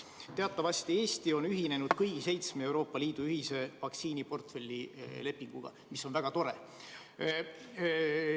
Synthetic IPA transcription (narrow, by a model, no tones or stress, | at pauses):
t̪e̞ɑt̪ːˑɑvɑsʲt̪ie̞ːst̪io̞nyɦine̞nud̪̥kɯjɡ̥ise̞jt̪smeewɾo̞ːpːˑɑliːd̪̥uyhise̞vɑksiːnipo̞rt̪fe̞lʲːile̞pːˑiŋɡ̥ṵɡ̥ɑ̰ | miso̞nvæɡ̥ɑt̪o̞ɾe̞